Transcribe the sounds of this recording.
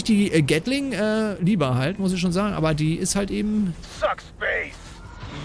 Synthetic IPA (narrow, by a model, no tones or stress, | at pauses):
ɪçd̥iːʔɛɡɛtlɪŋʔɛːliːbɐɦaltmʊs̬ɪçʃoːnzaːɡŋ̩ʔa̰ːbɐdiːʔɪsthaltʔeːbm̩ | sakspeɪs